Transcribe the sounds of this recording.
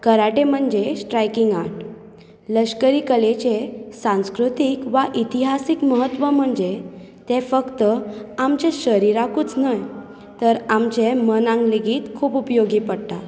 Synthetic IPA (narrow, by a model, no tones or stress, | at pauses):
kəɾaʈem̤əɳd͡ʑesʈɾajkiŋɡaʈ | ləɕkəɾikəlet͡ɕesãñskɾut̪ikʋaʔit̪iɦasikməɦət̪ʋəm̤əɳd͡ze | t̪ẽfəkt̪əamt͡ɕẽɕəɾiɾakuːt͡snaj | t̪əɾamt͡ɕemənãŋɡliɡiːt̪kʰuːpupjoɡiːpəɽt̪a